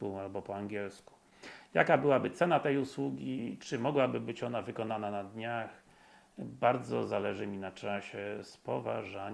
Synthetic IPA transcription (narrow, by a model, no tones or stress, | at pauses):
pualbɔpɔaŋɡʲjɛlsku̥ | ja̰kabɘwabɘt̪sɛnat̪ɛjuswuɡʲit͡ʂɘmɔɡwabɘbɘt͡ɕɔnavɘkɔnananad̪ɲax | baɾd̪zɔ̰zalɛʐɘmʲinat͡ʂaɕɛspɔva̰ʐaɲ